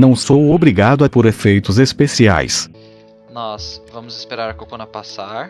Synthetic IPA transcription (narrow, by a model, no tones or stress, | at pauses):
nɐ̃w̃sowobɾiɡad̪ʊɐpoɾefejt̪ʊzespesia̰js | nɔsvɐ̃mʊzɪ̥speɾaɾɐkokõnɐpasaɾ